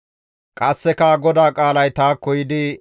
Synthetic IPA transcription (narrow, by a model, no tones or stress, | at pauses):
kʼɐsːɛkaɡɔd̪aːkʼaːlɐjt̪aːkːɔjɪd̪ɪ